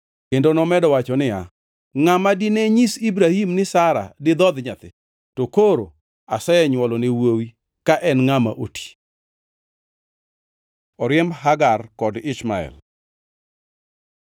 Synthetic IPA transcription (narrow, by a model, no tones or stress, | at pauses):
kendonɔmɛdɔwat͡ʃɔnɪja̰ | ŋamadɪnɛɲisibɾahimnɪsaɾa̰dɪd̪ɔd̪ɲat̪ɪ̰ | tokoɾo̰ | asɛjɛɲwɔlɔnɪwowi | kaʔɛnŋama̰ʔotʰi̥ | ɔɾɪɛmɦaɡarkɔdɪʃmaɛ̰l